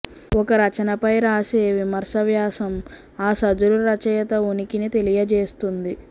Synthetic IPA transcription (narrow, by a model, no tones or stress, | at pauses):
ɔkɐɾɐt͡ʃɐnɐpɐjɾaːseːʋimɐɾsɐʋjaːsɐm | aːsɐd̪uɾuɾɐt͡ʃɐjɐt̪ɐunikinit̪e̞lijɐt͡ʃeːst̪und̪i